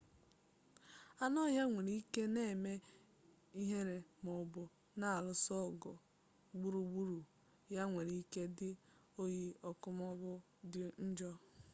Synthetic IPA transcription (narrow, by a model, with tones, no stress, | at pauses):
a˦nɔ˦ɦa˦ŋʷe˨ɾi˦i˦ke˦ne˦e˨me˦ | i˦ɦe˦ɾe˨mɔ˨bʊ˨ | na˦a˨lʊ˨sɔ˦˨ɡɔ˨ | ɡ͡bu˦ɾu˨ɡ͡bu˦ɾu˨ | ja˦ŋʷe˨ɾi˦ke˦dɪ˦ | o˦ji˦ɔ˦kʊ˦m˦ɔ˦bʊ˦ | di˦n̩˦d͡ʒɔ˦